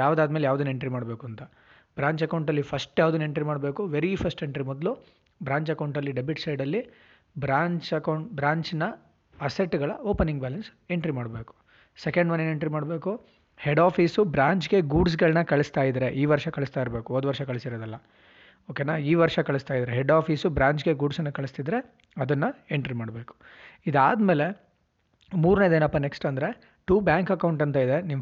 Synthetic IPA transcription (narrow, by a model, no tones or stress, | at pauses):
jaːʋd̪aːd̪meːlejaːʋd̪une̞ɳʈɾimaːɽbe̞ːkuɐnt̪ɐ | bɾaːɲt͡ʃɐkɐwɳʈɐlːipʰɐsʈjaːʋud̪unːe̞ɳʈɾimaːɽbeːkuʋeɾipʰɐsʈeɳʈɾimɔd̪lu | bɾaːɲt͡ʃɐkɐwɳʈɐlːiɖebiʈsɐjɖɐlːi | bɾaːɲt͡ʃɐkɐwɳʈbɾaːɲt͡ʃnɐ | ɐseʈːɡɐɭɐoːpɐnːiŋɡbɛːlɐnseɳʈɾimaːɽbeːku̥ | sekɐɳɖmɐnːeːneɳʈɾimaːɽbe̞ːku | heɖaːfiːsubɾaːɲt͡ʃɡe̞ɡuːɖs̬ɡɐɭnɐkɐɭɐst̪aːjid̪ɾe̞ʔiːʋɐɾʂɐkɐɭist̪aːjiɾbe̞ːkuɔnd̪uʋɐɾʂɐkɐɭisiɾoːd̪ɐlːɐ | oːkenaːiːʋɐɾʂɐkɐɭist̪aːjd̪ɾeɦeɖaːfʰiːsubɾaːɲt͡ʃɡe̞ɡuːɖsɐnːɐkɐɭist̪id̪ɾe̞ | ɐd̪ɐnːɐeɳʈɾimaːɽbe̞ːku̥ | id̪aːd̪me̞ːle̞ | muːɾneːd̪eːnɐpːɐneksʈɐnd̪ɾe̞ | ʈuːbjaːŋkɐkɐwɳʈɐnt̪ɐid̪e̞niʋ